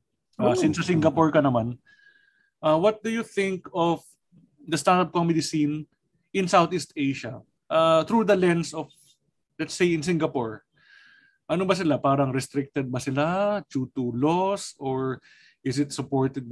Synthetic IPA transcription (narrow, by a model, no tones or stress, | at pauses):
ʔasɪnsɐsɪŋɡɐpɔɹkɐnɐman | ʔawɐt̪̚d̪ʊjʊθɪ̃ŋkɔf | d̪ɐst̪and̪ɐp̚komɪd̪ɪsĩn | ʔɪnsawt̪ist̪ejʃɐ | ʔaθɾud̪ɐlɛ̃nd̪sɔf | lɛt̪sejɪ̃ns̬ɪŋɡɐpɔɹ | ʔɐnobɐs̬ɪlapaːɾɐŋɾɛst̪ɾɪk̚t̪ɛd̪̚bɐsɪlat͡ʃuːt̪ulosɔɹ | ʔɪsɪt̪sʊpoɹt̪ɛd̪̚